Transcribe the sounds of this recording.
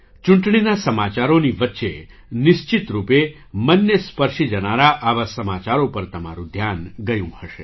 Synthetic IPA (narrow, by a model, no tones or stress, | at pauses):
t͡ʃũɳʈɳinasəmat͡ʃaɾoniʋət̪ːʃḛ | nɪʃt͡ʃit̪ɾupe | mənjəspəɾʃid͡ʒənaɾaʔaʋasəmat͡ʃaɾopəɾt̪əma̰ɾũd̪ʱjanɡəjũhəʃe